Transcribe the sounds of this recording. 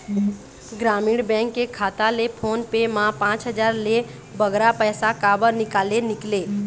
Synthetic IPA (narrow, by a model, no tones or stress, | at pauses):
ɡɾamiɽbɛ̃ŋkːekʰaːt̪alepʰonpemãpãt͡ʃɦəd͡ʒaːɾle | bəɡɾapəjsakabəɾnɪkaːlenɪkle